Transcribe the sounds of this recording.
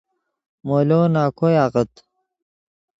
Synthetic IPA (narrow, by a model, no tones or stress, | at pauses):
moːloːnaːkʰojaɣət̪